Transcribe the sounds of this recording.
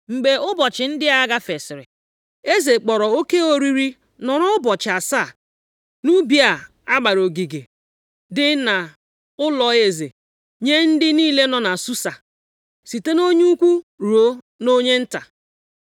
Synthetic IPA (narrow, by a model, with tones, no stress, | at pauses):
ŋ͡m̩˨ɡ͡be˨ʊ˦bɔ˨t͡ʃɪ˨n̩˦dɪ˦a˦ɡa˦fe˨sɪ˨ɾɪ̰˨ | e˦ze˨k͡pɔ˨ɾɔ˨o˦ke˦o˦ɾi˦ɾi˦ | nɔ˨ɾɔ˦ʊ˦bɔ˨t͡ʃɪ˨a˨sa˦˨ | nu˦bi˨a˨ | a˦ɡ͡ba˨ɾo˨ɡi˨ɡe˨ | dɪ˦na˨ | ʊ˦lɔ˨e˨ze˨ | ɲe˦n̩˦dɪ˦niː˦le˦nɔ˨na˨su˦sa˨ | si˨te˦no˦ɲu˦u˦kʷu˦ɾo˦ | no˦ɲe˦n̩˦ta˨